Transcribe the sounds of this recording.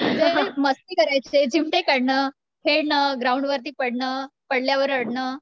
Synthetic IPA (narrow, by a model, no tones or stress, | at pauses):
d͡zeɦəməst̪iːkəɾajt͡sed͡ʑimʈekəɽɳə | kʰeɭɳəɡɾauɳɖʋəɾt̪̬iːpəɽɳəpəɽljaʋəɾəɽɳəː